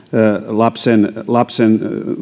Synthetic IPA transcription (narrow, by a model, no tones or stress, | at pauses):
lɑpsenlɑpsen